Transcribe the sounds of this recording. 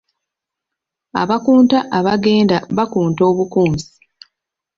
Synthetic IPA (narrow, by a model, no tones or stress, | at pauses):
a̰βakuːntaʔaβaɡe̞ːndaβakuːnto̞ːβukuːnsi̥